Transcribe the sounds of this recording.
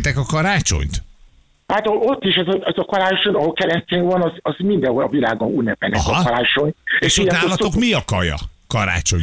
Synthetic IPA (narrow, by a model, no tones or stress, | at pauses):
t̪ɛkɒkɒɾaːt͡ʃo̞̰ɲt̪ | aːt̪oo̞t̪ːiʃɛzɒɛzɒkɒɾaːt͡ʃoɲɒɦolkɛlɛsceːŋvɒnɒzɒzmind̪ɛɦoɒvilaːɡonunːɛpɛ̰nɛɦɒɒɾaːt͡ʃo̞ɲeʃuaːlːɒt̪okmiɒkɒjɒ̰kɒɾa̰ːt͡ʃo̰ɲ